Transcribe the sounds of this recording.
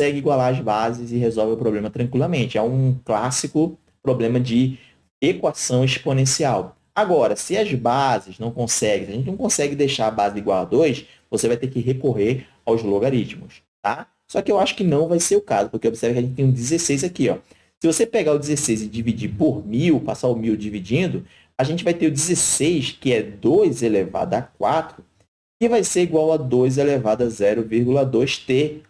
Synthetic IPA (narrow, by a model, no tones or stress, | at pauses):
sɛɡɪiɡwalaɾɐzbazɪzɪɦezɔwvɪʊpɾoblẽmɐt̪ɾɐ̃ŋkwilɐmẽnt͡ʃɪɛũklasikʊ | pɾoblẽmɐd͡ʒɪ | ekwasɐ̃w̃iʃponẽsiaw | aɡɔɾɐsɪɐzbazɪznɐ̃w̃kõsɛɡẽsɪʒẽt͡ʃɪnɐ̃w̃kõsɛɡɪd̪ejʃaɾabazɪd̪iɡwala̰d̪oɾjʃ | vosevajt̪eɾkɪɦekoɦeɾ | awzloɡaɾit͡ʃmʊs | t̪a | sɔkɪewaʃʊ̥kɪnɐ̃w̃vajseɾʊkazʊpʊɾkeobisɛɾvʊkɪɐʒẽt͡ʃɪt̪ẽj̃ũd͡ʒizesejzakiɔ | sɪvosepeɡaʊd͡ʒɪzesejzɪd͡ʒivid͡ʒipoɾmiwpasaʊmiwd͡ʒivid͡ʒĩnd̪ʊ | aʒẽnt͡ʃɪvajt̪eɾʊd͡ʒizesejskɪɛd̪ojzeleva̰d̪ɐakwat̪ɾʊ | kɪvajseɾiɡwawɐd̪ojz̬elevad̪ɐzɛɾʊviɾɡulɐd̪ojst̪e